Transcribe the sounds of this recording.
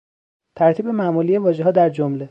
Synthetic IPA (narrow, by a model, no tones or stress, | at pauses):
t̪ʰæɾt̪ʰiːbe̞mæmuːlijevɒːʒeɦɒːd̪æɾd͡ʒomle